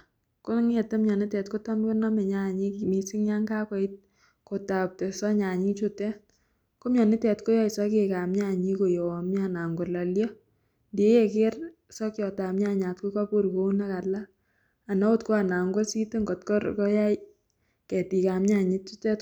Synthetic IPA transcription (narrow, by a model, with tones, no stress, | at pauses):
kʊ˦ŋe˦˨te˦mɲa˨ni˦tɛ˨tko˦tɔ˦mko˦nɔ˦mɛ˨ɲa˦˨ɲi˦kmi˨sɪ˦ŋja˦ŋɡa˦kɔ˨˦i˦t̚ | ko˨ta˨p̚tɛ˨sɔ˦ɲa˨ɲi˦t͡ʃʊ˦tɛ˦ | ko˦mɲɔ˨nɪ˦tɛ˨tko˦ja˦i˨sɔ˦k̬eka˨mɲa˦˨ɲi˦ko˨jo˨a˨mɲa˦˨na˨ŋɡɔ˨la˨ljɔ˦ | ndi˦je˦kɪ˦r | sɔ˦kjɔ˨ta˨mɲa˦ɲa˨tku˦ko˦pu˦ɾko˦u˦na˦ka˨laː˦˨ | na˦o˦tko˦a˨na˨ŋɡo˦si˦te˦ŋɡɔ˨tkɔ˦ɾkɔ˦ja˦j | kɛ˨ti˨ka˨mɲa˦˨ɲi˦t͡ʃu˦tɛ˦t